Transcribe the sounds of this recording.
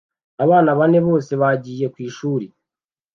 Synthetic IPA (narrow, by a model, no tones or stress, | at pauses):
aβaːnaβane̞βo̞ːse̞βaɟiːje̞kwiːʃuːɾi